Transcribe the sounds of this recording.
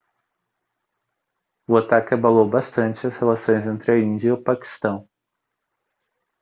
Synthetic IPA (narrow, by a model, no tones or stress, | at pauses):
ʊat̪akʲɪabalowbast̪ɐ̃nt͡ʃɪɐshelasõj̃zẽnt̪ɾɪɐĩnd͡ʒɐʊpaki̥st̪ɐ̃w̃